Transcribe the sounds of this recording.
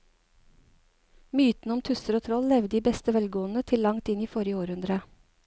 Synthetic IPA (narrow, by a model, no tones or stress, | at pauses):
myːt̪n̩ɔmt̪ʰʉsəɾoːt̪ʰɾɔllɛʋd̪iːbɛst̪əʋɛlɡoːn̩ət̪ʰɪllɑŋt̪ɪniːfɔɾjəoːɾʉnd̪ɾə